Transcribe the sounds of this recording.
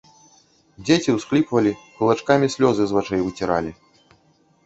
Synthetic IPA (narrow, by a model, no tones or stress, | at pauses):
d͡zʲet͡sʲiwsklʲipvɐlʲikulˠat͡ʂkamʲisʲlʲɔzɨzvat͡ʂɛjvɨt͡sʲiɾa̰lʲi